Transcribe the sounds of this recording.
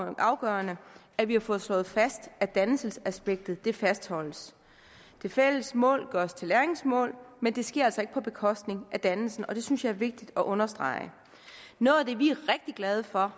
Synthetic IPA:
ʔɑ̈ʊɡ̥ɶɐnə | æʋihɑ̈fɔ̽ːð̞̩ˠslɔ̽ːð̞̩ˠfæsd̥æd̥ænsəl̩sæsb̥eɡ̥̚d̥ð̩ˠd̥e̝fæsd̥hɒ̽l̰əs | d̥e̝fel̰əsmɔ̰̽ːlɡ̥ɶst͡sʰe̝læɐeŋsmɔ̰̽ːlmend̥e̝sɡ̥eɐælsɒ̽e̝ɡ̥əpʰɒ̽b̥e̝kʰɒ̽sd̥ne̝ŋʔæd̥ænl̩sn̩ɒ̽d̥e̝synsjɑ̈ɪɐʋe̝ɡ̥̚d̥id̥ɒ̽ʔɔ̽nɐsd̥ʁɑ̰̈ɪə | nɔːð̩ˠd̥e̝ʋiæɐʁeɡ̥̚d̥iɡ̥lɛð̞ˠəfɒ̽

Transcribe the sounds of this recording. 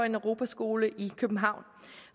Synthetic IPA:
e̝nœʁo̝ːbʰæsɡ̥o̝ːləʔikʰøb̥̩ɦɑ̈ʊn

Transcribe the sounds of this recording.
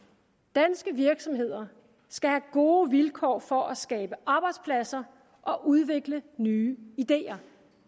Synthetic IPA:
d̥ænsɡ̥əʋiɐɡ̥sɒ̽mɦe̝ð̞̰ˠɐ | sɡ̥æhæɡ̥o̝ːʋilkʰɒ̰ːfɒ̽ʔæsɡ̥ɛːb̥əʔɑ̈ːb̥ɑ̈ɪd̥spʰlæsɐ | ʔɒ̽ʔuð̞ˠʋe̝ɡ̥lənyːid̥e̝̰ːɐ

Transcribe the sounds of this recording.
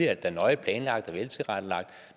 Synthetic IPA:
ɐæd̥ːænɒ̽ɪəpʰlɛːnlɑ̈ɡ̥̚d̥æɐʋelt͡sʰe̝ʁad̥əlɑ̈ɡ̥̚d̥

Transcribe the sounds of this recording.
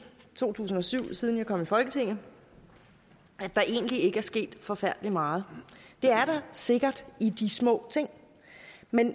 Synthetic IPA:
t͡sʰo̝̰ːt͡sʰṵːsn̩ɒ̽syʊ̰siːð̞ˠnjɑ̈ɪkɒ̽mifɒ̽lɡ̥ət͡sʰe̝ŋ̰n̩ | ʔæd̥ɑ̈ʔe̝̰ːn̩dlie̝ɡ̥əæɐsɡ̥e̝̰ːd̥fɒ̽fæɐ̰d̥əlimɑ̈ːð̞̩ˠd̥e̝æɐɾ̥ɑ̈se̝ɡ̥ɐd̥id̥ismɔ̰̽ːt͡sʰe̝ŋ̰ | men

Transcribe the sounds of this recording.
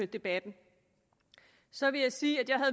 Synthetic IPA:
ød̥e̝b̥æd̥n̩ | sɒ̽ʋe̝jɑ̈ɪsiːæd̥jɑ̈ɪhæðˠ

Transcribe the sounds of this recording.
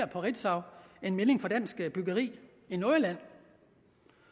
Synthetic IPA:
ɐpʰɒ̽ʁid̥sɑ̈ʊe̝nmele̝ŋfɒ̽d̥æn̰sɡ̥b̥yɡ̥ɐʁḭː | inoɐlæn̰

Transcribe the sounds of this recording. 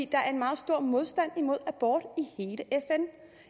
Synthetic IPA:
ḭːd̥ɑ̈æɐe̝nmɑ̈ːð̩ˠsd̥o̝ɐ̰mo̝ð̞ˠsd̥æn̰imo̝ð̞̰ˠæb̥ɒːd̥ihe̝ːləʔefen

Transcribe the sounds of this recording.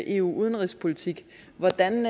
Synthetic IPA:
ʔe̝̰ːṵːʔuð̞ˠənʁispʰo̝lit͡sʰiɡ̥ | ʋɒd̥æn

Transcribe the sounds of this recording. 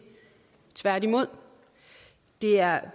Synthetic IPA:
t͡sʰʋæɐ̰dimo̝ð̞̰ˠ | d̥e̝æɐ

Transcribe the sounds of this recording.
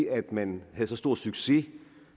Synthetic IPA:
æd̥mænhæðˠsɒ̽sd̥o̝ɐ̰d̥syɡ̥se̝

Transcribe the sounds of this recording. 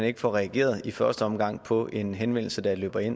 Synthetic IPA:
æne̝ɡ̥əfɒʁɛæɡ̥e̝̰ːɐð̞ˠifɶɐsd̥əɒ̽mɡ̥ɑ̈ŋ̰pʰɒ̽ʔe̝nɦenʋen̰l̩səd̥æ̈lø̰ːb̥ɐe̝n̰

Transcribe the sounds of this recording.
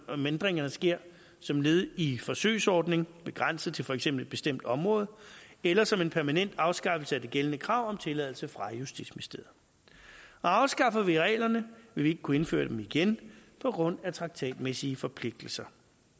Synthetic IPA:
mend̥ʁeŋɐnəsɡ̥e̝ɐ̰ | sɒ̽mle̝ːð̩ˠifɒ̽sø̰ːsɒːd̥ne̝ŋb̥e̝ɡ̥ʁan̰səð̩ˠt͡sʰe̝lfɒeɡ̥sem̰b̥l̩e̝d̥̚b̥e̝sd̥em̰d̥ɒ̽mʁɔ̽ːð̞̩ˠelɐsɒ̽me̝npʰæɐmænen̰d̥ɑ̈ʊsɡ̥ɑ̈fəl̩səæd̥e̝ɡ̥elənəkʰʁɑ̈ʊ̰ɒ̽mt͡sʰe̝lɛðˠl̩səfʁɑ̈jusd̥ḭd̥smisd̥eːð̩ˠ | ɒ̽ɑ̈ʊsɡ̥ɑ̈fɐʋiʁɛ̰ːɪlɐnəʋe̝lʋie̝ɡ̥əkʰue̝nfø̰ːɐd̥emiɡ̥enpʰɒ̽ɡ̥ʁɔ̽n̰æt͡sʰʁɑ̈ɡ̥̚t͡sʰɛ̰ːd̥mesiəfɒ̽pʰle̝ɡ̥̚d̥l̩sɐ

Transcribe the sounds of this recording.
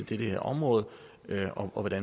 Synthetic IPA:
ed̥eɾ̥əheɐɒ̽mʁɔ̽ːð̩ˠ | øɒ̽ʔɒ̽ʋɒd̥æn

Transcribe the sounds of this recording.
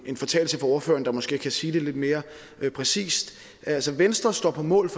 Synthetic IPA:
e̝nfɒt͡sʰɛ̰ːl̩səfʁɑ̈o̝ːɐfø̰ːɐn̩d̥ɑ̈mɒ̽sɡ̥e̝̰ːkʰæsiːd̥e̝le̝d̥me̝ːɐ | øpʰʁɛsḭːsd̥ | ælsɒʋensd̥ʁɐsd̥ɒ̰ːpʰɒ̽mɔ̰̽ːl̩ˠf

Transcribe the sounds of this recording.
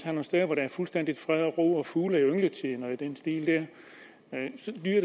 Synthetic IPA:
æɐno̝nsd̥eðˠʋɒɾææɐfulsd̥en̰d̥id̥fʁɛðˠɒʁo̝̰ːɒ̽fuːlæiøŋlət͡sʰinɒæd̥ensd̥ḭːld̥æɐ̰ | sɒ̽d̥yːɐ̰ɾe

